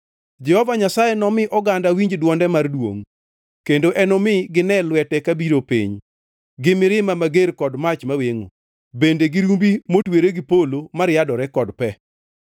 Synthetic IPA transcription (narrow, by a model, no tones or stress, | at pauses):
d͡ʒɛhɔvaɲasajenɔmɪʔɔɡandawiɲd͡ʒdwɔndɛmardwo̰ŋ | kendoʔɛnɔmɪɡɪnɛlwɛtɛkabiɾopḭɲ | ɡɪmɪɾɪmamaɡeɾkɔdmat͡ʃmaweŋo̰ | bendeɡɪɾumbimotweɾeɡɪpolomaɾjadɔɾɛkɔdpɛ